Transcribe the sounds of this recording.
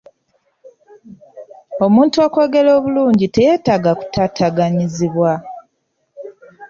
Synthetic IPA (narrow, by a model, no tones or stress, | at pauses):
o̞muːntuako̞ːɡe̞lo̞ːβuluːɲɟite̞je̞taɡaku̥tʰatʰaɡaɲiziβwa